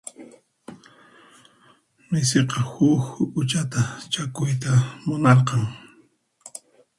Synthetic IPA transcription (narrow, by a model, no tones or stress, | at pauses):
mɪseqɑhʊkʊt͡ʃat̪at͡ʃakʊjt̪amʊnɑɾqɑŋ